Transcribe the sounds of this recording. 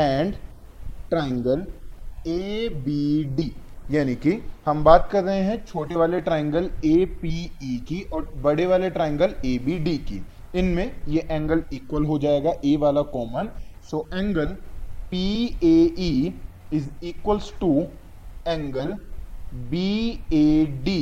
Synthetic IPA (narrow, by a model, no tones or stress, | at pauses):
ɛ̃ːɳɖ | ʈɾɛːə̃ŋɡəleːbiːɖiːjaːnikihɐmbaːt̪̚kɐɾːəɦẽɦɛ̃t͡ʃʰoːʈeʋaːleʈɾɛːə̃ŋɡəleːpiːikiʔɔːɾbɐɽeʋaːleʈɾɛ̃ːŋɡəleːbiɖiːkḭ | ɪnmẽjeʔɛ̃ːŋɡəliːkwəlɦod͡ʒaːeːɡaʔeːʋaːlakɔːmənsoːʔɛ̃ːŋɡəlpiːeːi | ɪziːkwəlsʈu | ɛ̃ːŋɡəl | biːeːɖiː